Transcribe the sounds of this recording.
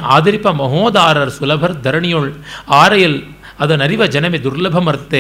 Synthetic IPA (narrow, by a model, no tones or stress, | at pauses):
a̰ːðɪɾɪpːɐmɐɦoːd̪aːɾɐɾsʊlɐbʱɐɾd̪ɐɾɐɳɪjoɭaːɾɐjɐl | ɐðɐnɐɾɪʋɐd͡ʒɐnɐmid̪ʊɾlɐbʱɐmɐɾt̪ːe